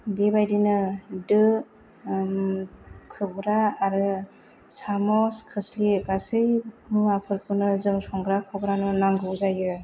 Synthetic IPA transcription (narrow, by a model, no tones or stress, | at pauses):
bebajdinɯdɯ | kʰɯbɾaːɾɯ | samɔskʰɯslikasɯjmɯapʰɯɾpʰɯnɯzɯŋsɔŋɡɾakʰɯbɾanɯnaŋɡɯwzajɯ